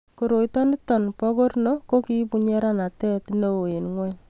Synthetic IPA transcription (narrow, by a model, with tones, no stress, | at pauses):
ko˨ɾo˨i˦tɔ˦ni˦tɔ˨npɔ˦ko˦rno˦ko˦ki˦pu˨ɲɛ˦ɾa˦na˨tɛ˦tno˦wo˨e˨nŋwɛ˦ɲ